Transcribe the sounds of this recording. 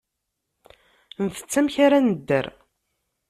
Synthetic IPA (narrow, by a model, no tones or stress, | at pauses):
nθə̥t͡sːæmçaɾanəd̪ːə̰ɾ